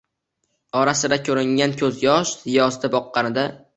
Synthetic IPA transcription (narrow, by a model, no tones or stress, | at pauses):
ɒɾasɪd̪akʲʰɵɾɪŋankʲʰɵzjɒʃɪjɒst̪abɒqːɑnɪd̪a